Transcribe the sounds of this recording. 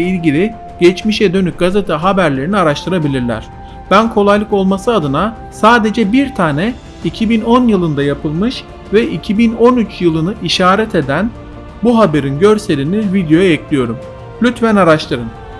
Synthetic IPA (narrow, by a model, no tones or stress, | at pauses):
ilʲɟilʲi | ɟ̥ɛt͡ʃmiʃɛd̪ø̞nyp̚ɡ̥azet̪ʰɯɦabæɾlʲe̞ɾiniaɾaʃt̪ʰɯɾabilʲiɾlʲæ̰ɾ̝̥ | b̥ænkʰo̞lˠajlˠɯko̞lˠmasɯad̪ɯna | saːd̪e̞d͡ʒɛbiɾt̪ʰaːnɛ | icʰibino̞njɯlˠɯnd̪ajapʰɯlˠmɯʃ | vɛʔicʰibino̞nyt͡ʃjɯlˠɯnɯʔiʃaːɾɛt̪ʰe̞d̪æn | buɦabe̞ɾinɟø̞ɾselʲinivid̪jo̞jaɛclʲijo̞ɾum | lʲyt̪fænaɾaʃt̪ʰˠɯɾɯn